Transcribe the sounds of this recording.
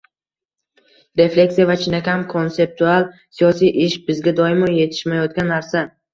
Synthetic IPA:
ɾe̞flʲe̞kʲsijavat͡ʃʰɪnakʲʰamkʰo̞nse̞p̚t̪ʰualˠsijɒsijʔɪʃbɪzɡʲad̪ɒɪmɒje̞t̪ʰɪ̥ʃmajɒt̪̚ɡʲanːaɾsa

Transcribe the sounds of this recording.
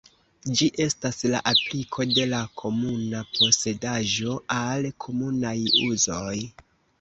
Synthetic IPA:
d͡ʒiʔe̞stasla̰ʔaplikʰo̞de̞lakʰo̞munapʰo̞se̞daʒo̞alkʰo̞munajṵzo̞j

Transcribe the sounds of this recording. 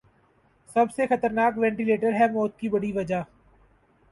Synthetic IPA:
sɐbsexɐt̪əɾnaːkʋɛ̃ːɳʈileːʈəɾɦɛmoːt̪̚kibɐɽiʋɐd͡ʒaː

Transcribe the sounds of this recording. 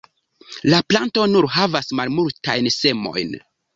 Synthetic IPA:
laplanto̞nuɾɦavasmalmulta̰jnse̞mo̞̰jn

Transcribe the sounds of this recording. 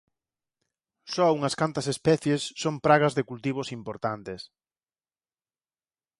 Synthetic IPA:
sɔuŋɐskant̪ɐsespɛθjesːompɾaɣɐzðɪkult̪iβ̞osimpoɾt̪ant̪es

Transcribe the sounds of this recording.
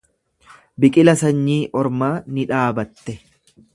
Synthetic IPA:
bɪkʼɪlɐsɐɲːiːʔɔɾmaːnɪᶑaːbɐt̪ːɛ

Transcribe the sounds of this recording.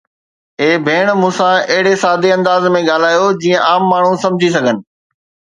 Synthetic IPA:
eːbʱeːɽ̃mũːsãɐɦɪɽesaːd̪ʱeɐ̃nd̪aːzmẽɠaːl̤aːjod͡ʑiːə̃ʔaːmːaːɳ̤ũsɐ̃md͡ʑʱisɐɡʱənɪ̆

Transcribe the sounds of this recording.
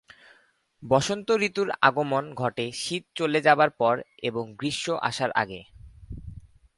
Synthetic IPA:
bɔʃont̪oɾit̪uɾa̰ɡomonɡʱɔʈeʃit̪̚t͡ɕoled͡ʑabaɾpɔɾeboŋɡɾiʃoʔa̰ʃaɾʔa̰ɡe

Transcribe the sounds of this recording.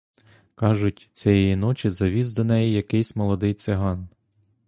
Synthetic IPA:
kɑʒʊtʲt͡sʲɛjɛjin̪ɔt͡ʃʲizɐʋʲizd̪ɔnɛjijɐkɪjsʲmɔlˠɔd̪ɪjt̪sɪɦɑn

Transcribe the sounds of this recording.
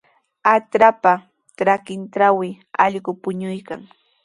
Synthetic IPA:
atɾapa | ʈ͡ʂɾakɪnʈ͡ʂawɪ | ɑʎɢʊpʊɲʊjka̰ŋ

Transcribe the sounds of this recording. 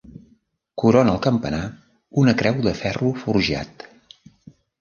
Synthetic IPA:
kuɾonəlˠkəmpəna | unəkɾɛwðəfɛrufuɾʒa̰t̪

